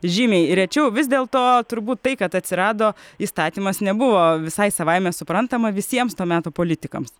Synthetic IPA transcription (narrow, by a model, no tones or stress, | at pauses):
ʒʲiːmʲɛɪɾʲɛt͡ʃʲɛʊʋʲɪs̬ʲd̪ʲeːlˠt̪oːt̪ʊɾbuːt̪tɐɪkɐt̪ɐt̪ʲsʲɪɾɑːd̪oːiːst̪ɑːt̪ʲiːmɐsnʲɛbʊʋoːʋʲɪsɐɪsɐʋɐɪmʲɛsʊpɾɐnt̪ɐmɐʋʲɪsʲiɛmst̪oːmʲæːt̪oːpoːlʲɪt̪ʲɪkɐ̰ms